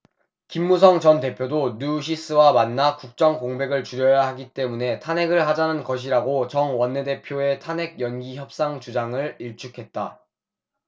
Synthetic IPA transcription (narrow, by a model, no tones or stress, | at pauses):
kimːus̬ʰʌŋt͡ɕʌnte̞pʰjodonuɕ̬ʰis͈ʰɯwamanːakuk̚t͡ɕ͈ʌŋkoŋbe̞ɡɯɭt͡ɕuɾjʌjaɦaɡit͈e̞mune̞tʰane̞ɡɯɭhad͡ʑanɯnkʌɕ̬ʰiɾaɡot͡ɕʌŋwʌnːe̞de̞pʰjoe̞tʰanɦe̞ɡ̚jʌnɡiçjʌp̚s͈aŋt͡ɕud͡ʑaŋɯɭiɭt͡ɕʰukʰe̞t̚t͈a